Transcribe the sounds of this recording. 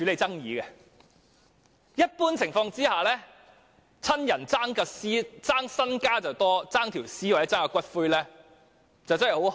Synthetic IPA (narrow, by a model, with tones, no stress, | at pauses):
t͡ʃy˨˧le˨˧jt͡sɐ˥ŋjiː˨˧kɛ˧ | jɐ˥t̚puː˥nt͡sʰɪ˨˩ŋfɔː˧ŋt͡siː˥haː˨˩lɛː˥ | t͡sʰɐ˥njɐ˨˩nt͡saː˥ŋkɐ˧siː˥t͡saː˥ŋsɐ˥nkaː˥t͡sɐ˨˩wt̪ɔː˥t͡saː˥ŋt̪ʰiː˨˩wsiː˥waː˨˩jɛ˦˥t͡saː˥kɐ˧kʷɐ˥t̚fuː˥jlɛː˥ | t͡sɐ˨wt͡sɐ˥hɐ˨˩ho˨˥w